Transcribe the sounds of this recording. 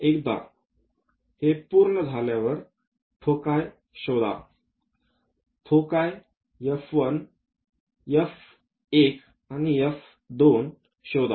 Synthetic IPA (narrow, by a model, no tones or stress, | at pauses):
ekd̪a̰ | hepuɾɳəd͡zʱaljaʋəɾ | tʰokaj | ɕɔwd̪a̰ | t̪ʰokaj | jəfʋən | jəf | ek | anijəf | d̪on | ɕɔwd̪a̰